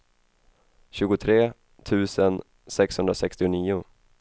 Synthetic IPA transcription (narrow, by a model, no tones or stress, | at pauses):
ɕʉ̟ːɡʊt̪ʰɾeː | t̪ʰʉ̟ːsən | sɛkshɵnd̪ɾasɛkst̪ɪʊniːʊ